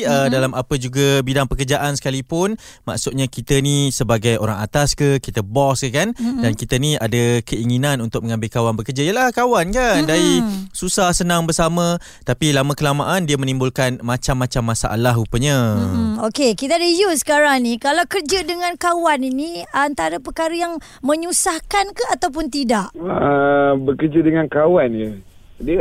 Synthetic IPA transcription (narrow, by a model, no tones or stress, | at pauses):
ədalamapəd͡ʒuɡəbidaŋpəkərd͡ʒaʔansə̥kalipʊn | ma̰ʔksʊt̪̚ɲakit̪ənisəbaɡajo̰ɾaŋa̰t̪askəkit̪əbɔskəkandankit̪əniadəkəiŋinãnunt̪ʊk̚mə̃ŋãmbɪlkawanbəkərd͡ʒaiəlahkawankandaisusahsənãŋbərsamə̃ | t̪apilamakəlamaʔandiamənimbʊlkanmat͡ʃamːat͡ʃamːasa̰ʔa̰laɦupəɲəokekit̪aadəjusə̥kaɾaŋnikalawkərd͡ʒədəŋãnkawaniniant̪aɾəpəkaɾəjaŋ | mə̃ɲusahkankaat̪awp̬ʊnt̪idaʔəbəkərd͡ʒədəŋankawanjə | də